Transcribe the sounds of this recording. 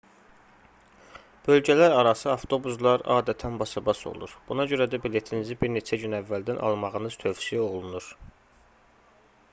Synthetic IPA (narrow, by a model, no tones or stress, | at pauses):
b̥ø̞lɟælæɾɑɾɑsɯɑft̪ʰo̞buzlˠɑɾɑ̰ːd̪æt̪ʰænbɑsɑbɑso̰lˠṵɾb̥unɑɟø̞ɾæd̪æbile̞t̪ʰinizibiɾne̞t͡ʃʰæɟynævːæld̪ænʔɑ̰lˠmɑʁɯnɯz̥t̪ʰøvsijæo̞lˠunuɾ